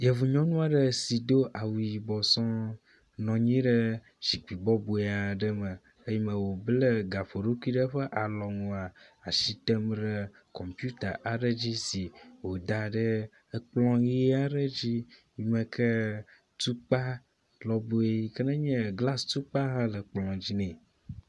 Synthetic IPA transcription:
je˨vu˨ɲɔ̃˦nũ˦a˨ɖə˦si˨d̪o˦ʔa˨wui˨ji˨bɔ˨sɔ̃˦ | nɔ̃˨ɲĩ˦ɖə˦ | d͡ʒi˨k͡pi˨bɔ˦bu˨e˨a˨ɖə˦mə̃˨ | e˦ji˨˦mə̃˨wo˨blə˦ɡa˨ɸo˨ɖo˦ku˦i˦ɖə˦ɸə˦ʔa˨lɔ˨ŋũ˨a˨a˨ʃi˦t̪ɛ˦mɖe˦ | kɔ˨mpju˦t̪a˨ʔa˨ɖə˦d͡ʑi˦si˨wo˨d̪a˨ɖə˦ | k͡plɔ̃˦ɣi˦a˦ɖə˦d͡ʑi˦ji˨mə̃˨kʰə˦ | t̪u˦k͡pa˦ | lɔ˨bu˦e˦i˦kə˦nə̃˦ɲɛ̃˦ɡla˦st̪u˦k͡pa˦ɦa˦lə˨k͡plɔ̃˨d͡ʑi˦nɛ̃˨

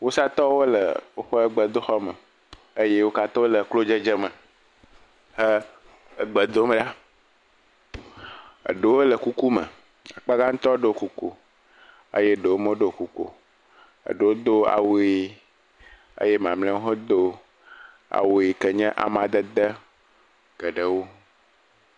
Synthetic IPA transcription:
wo˦sa˦t̪ɔ˦wo˦lə̰˨wo˦ɸɛ˦ə˦ɡ͡bə˨d̪o˦xɔ˦mə˨ | ə˦je˦wo˦ka˦t̪ɔ˦wo˦lə˨klo˦d͡ʒe˦d͡ʒə˦mə̃˨ | hə˦ | ə˨ɡ͡bə˨d̪o˦mɛ˨ɖa˦ | ə̰˨ɖe˨wo˦lə˨ku˦ku˦mə̰̃˨ | a˨k͡pa˦ɡa˦ŋ̩˦t̪ɔ˦ɖo˦o˨ku˨ko̰˨ | ə̰˦je˦ɖe˨wo˦mõ˦ɖo˨ku˨ko̰˨ | ə̰˨ɖe˨wo˦d̪o˦a̰˨wo˨˦e˨ | ə̰˦je˦m˨ã˨mlɛ̃˦wo˦ɦɔ˦d̪o˦ | a̰˨wo˨e˨kə˨ɲɛ̃˦ʔa̰˨mã˨d̪ə˦d̪ə˦ | ɡ̥ə˨ɖə˨wo˦

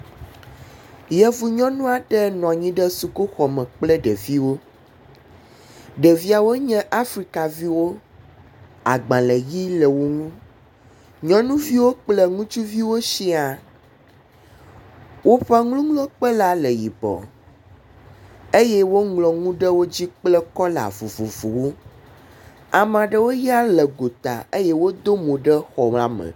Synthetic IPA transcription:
jɛ˨vu˨ɲɔ̃˦nũ˦a˨ɖɛ˦nɔ̃˨a˨ɲĩ˦ɖɛ˦su˨ko˦xɔ˨mɛ̃˨k͡plɛ˦ɖɛ˨vi˦wo˦ | ɖɛ˨vi˦a˨wo˦ɲɛ̃˦ʔa˦fɾi˦ka˨vi˦wo˦ | a̰˨ɡ͡bã˨lɛ˨ji˦lɛ˨wo˨ŋũ˦ | ɲɔ̃˦nũ˦vi˦wo˦k͡plɛ˦ŋũ˦t͡ʃu˦vi˦wo˦ʃi˦a˨ | wo˦ɸa˦ŋlũ˦ŋlɔ̃˦k͡pə˦la˨lə˨ji˨bɔ̰˨ | e˦jɛ˦wo˦ŋlɔ˨ŋũ˦ɖə˦wo˦d͡ʑi˦k͡plɛ˦kɔ˦la̰˨vu˨vu˨vu˨wo˦ | a˨mã˨ɖə˦wo˦ja˦lə˨ɡo˨t̪a̰˨e˦jɛ˦wo˦d̪o˦mõ˨ɖə˦xɔ˨ma˦mə̰̃˨

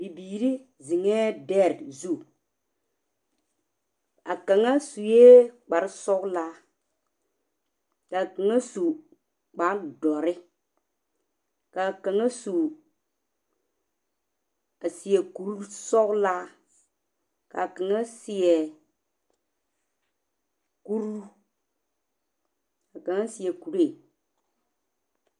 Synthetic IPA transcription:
bi˨biː˨ɾi˦ | zi˨ŋɛ˦dɛ˦˨ɾdzu˦˨ | a˨ka˨ŋa˦su˨je˦k͡pa˨ɾi˦sɔ˦kla˦ | ka˨ki˨ŋa˦su˨ | k͡pa˨˦ndɔ˨ɾi˦ | ka˨ka˨ŋa˦su˨ | a˨si˨je˨ku˨˦ɾu˦sɔ˦kla˦ | ka̰˨kə˨ŋə˦si˨ɛ˨ | ku˦ɾu˦ | a˨kə˨ŋa˦si˨ɛ˨ku˨ɾe˦˨

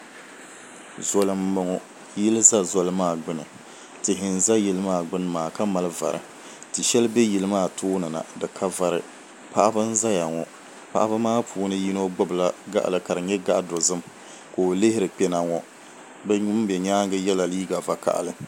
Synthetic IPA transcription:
zɔ˨lɨ˨m̩ː˦ɨ˨ŋɔ˦ | ji˦lɨ˦za˦zɔ˨lɨ˦maː˦˨ɡ͡bɨ˦nɨ˨ | tɨ˨ɦɪ˨n̩˨za˦jɪ˨lɨ˦maː˦˨ɡ͡bɨ˦n˦maː˨ka˦ma˨lɨ˦va̰˨ɾɨ̰˨ | tɨ˨ʃɛ˦lbɛ˦ji˨lɨ˦maː˦˨tʰoː˦nɨ˨na̰˨dɨ˨kʰa˦va˨ɾɨ˨ | pa˦ʔa˦bɨ˦n̩˦za˦ja˨ŋɔ˨ | pa˦ʔa˦ba˦maː˦pʰuː˨˦nɨ˦ji˦no˦ɡ͡bʊ˦bla˦ɡa̰˦ʔa̰˨lɨ˨ka˨ɾɨ˨ɲɛ˦ɡa˦ʔdʊ˨zɨ˦m | ko˨lɪ˦hɪ˦ɾɨ˨k͡pɛ˦na˨ŋɔ˨ | bɛ˦ɲʊ˦m˦bɛ˨ɲaː˦ŋɡɨ˦jɛ˦la˨liː˦ɡa˨va˨ka̰˨ʔa̰˨lɨ˦

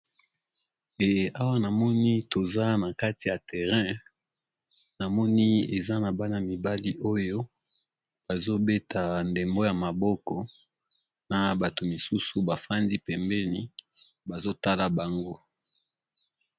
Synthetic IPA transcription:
e˨a˦wa˦na˨mɔ˦ni˦to˨za˦na˨ka˦ti˨ja˨tɛ˨ʁɛ̃˦ | na˨mɔ˦ni˦e˨za˦na˨ba˦na˨mi˨ba˦li˦ʔo˦jo˦ | b̥a˨zo˦be˦tʰa˨nde˨mbo˦ja˨ma˨bɔ˦kɔ˨ | na˨ba˨to˨mi˨su˦su˨ba˨fa˦ndi˦pɛ˨mbɛ˦ni˦ | ba˨zo˦ta˦la˨ba˨ŋɡo˦

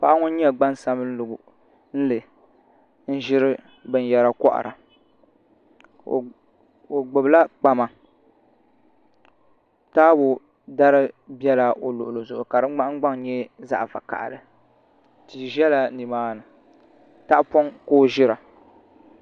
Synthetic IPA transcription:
pa˦ʔa˦ŋʊ˦n˦ɲɛ˦ɡ͡ba˦nsa˦mɨ˦n̩˦lʊ˨ɡʊ˨ | n̩˦lɨ˨ | n̩˦ʒɪ˦ɾɨ˦ | bɨ˨n˨jɛ˨ɾa˦kɔ˦ʔa̰˨ɾa˨ | o˨ɡ͡bʊ˨bla˦k͡pa˨ma˨ | taː˦bʊ˨ | da˦ɾɨ˦bɛ˦la˨ʔo˨lʊ˨ʔʊ˨lo˨zʊ˨ʔʊ˨ka˨dɨ˦ɡ͡ba˦ɡ͡ba˦ŋ˨ɲɛ˦za̰˦ʔfa̰˨ka̰˨ʔlɨ˨ | ti˨ʒɛ˦la˨ni˨maː˦nɨ˨ | ta˦pɔ˦ŋkoː˦˨ʒɪ˦ɾa˨

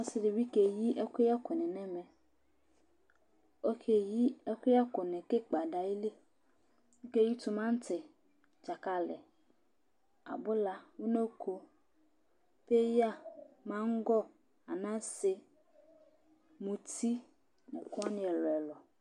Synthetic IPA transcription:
ɔ˦sɪ˨dɪ˨bi˦ke˨ji˦ʔɛ˦kʷe˦ja˦kʊ˨nɛ̃˨nɛ̃˦mɛ̃˨ | o˦kʰe˨ji˦ɛ˦kʷe˦a˦kʊ˨nɛ̃˨ke˦k͡pa˨da˨ji˦le˦ | ŋ̩˦ke˦˨ji˦t̪u˨mã˦n˦tʰɪ˨ | d͡ʒa˨ka˨lɪ̰˨ | a̰˨bʊ˦la˦wʊ˦nẽ˦kʰo˨ | pe˦ja˦mã˦ŋ̩˦ɡɔ˦ | a˨nã˦sɪ˦ | mũ˨t̪ʰi˦ | nɛ̃˨kʊ˦a˦nɪ̃˨ɛ˨lɔ˨ɛ˨lɔ˨

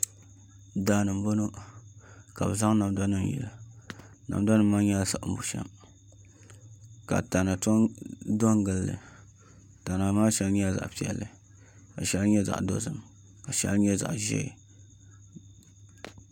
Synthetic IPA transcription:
daː˨˦˨nɨ˨m˦bo˦no˦ | ka˨bɨ˨za˦ŋ˦na˨m˨da˦nɨ˦m˨jḭ˨lɨ˨ | na̰˨mda˦nɨ˦mːa˦ɲɛ˦lsa˨ʔm̩˦bu˨ʃɛ̰˦m | ka̰˨ta˨na˨tdɔ˦ŋɡɨ˨lːɨ̰˨ | ta˨na˨maː˦ʃɛ˦lɲi˦a˦za̰˨ʔpi˨ɛ̰˨lːɨ˨ | ka˨ʃɛ˦lɲɛ˦za̰˨ʔdo̰˦zɨ˨m | ka˨ʃɛ̰˦lɲɛ˦za̰˨ʔʒɛ̰˦˨

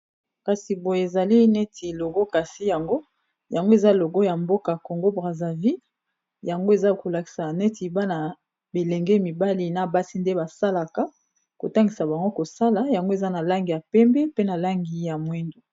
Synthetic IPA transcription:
ka˨si˨bo˨je˨e˨za˨li˦nɛ˦tʰi˨lo˨ɡɔ˦ka˨si˦ja˨ŋɡo˦ | ja˨ŋɡo˦e˨za˦lo˨ɡo˦ja˨mbo˦ka˨ko˨ŋɡo˦bʁa˨za˨vi˦ | ja˨ŋɡo˦e˨za˦ko˨la˨ki̥˨sa˨nɛ˦ti˨ba˦na˨ | be˨lɛ˨ŋɡɛ˦mi˨ba˦li˦na˨ba˦si˦nde˦ba˨sa˦la˨ka˦ | ko˨ta˦ŋɡi˨sa˨ba˨ŋɡo˦ko˨sa˦la˨ja˨ŋɡo˦e˨za˦na˨la˦ŋɡi˨ja˨pɛ˦mbɛ˦pe˦na˨la˦ŋɡi˨ja˨mwɛ˦ndo˨

